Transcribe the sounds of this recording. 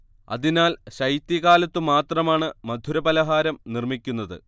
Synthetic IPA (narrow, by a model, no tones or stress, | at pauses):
ɐ̰ðinaːlɕɐjt̪iɣaːlɐt̪ːumaːt̪rɐmaːɳɨmɐd̪ʱuɾɐbɐlɐɦaːɾɐmnirmikʲːunːɐðɨ̰